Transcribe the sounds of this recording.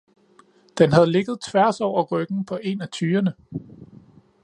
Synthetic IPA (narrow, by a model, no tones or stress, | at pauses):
d̥enɦæð̞̩ˠle̝ɡ̥ð̞̩ˠt͡sʰʋæɐsɒʊ̰ɐʁ̥ʁœɡ̥n̩pʰɒ̽ʔe̝næt͡sʰyːɐnə